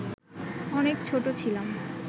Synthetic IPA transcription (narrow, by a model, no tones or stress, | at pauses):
ɔnekt͡ɕʰoʈot͡ɕʰilam